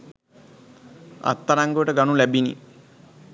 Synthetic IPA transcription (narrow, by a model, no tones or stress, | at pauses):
ɐ̰t̪ːɐɾaŋɡoʈəɡɐnulɛbinḭ